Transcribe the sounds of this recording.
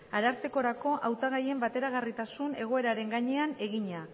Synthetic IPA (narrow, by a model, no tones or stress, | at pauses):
aɾaɾt͡se̞ko̞ɾako̞ʔawt̪aɣ̞aje̞mbat̪e̞ɾaɣ̞arit̪asune̞ɣ̞o̞e̞ɾaɾe̞ŋɡaɲe̞ane̞ɣiɲa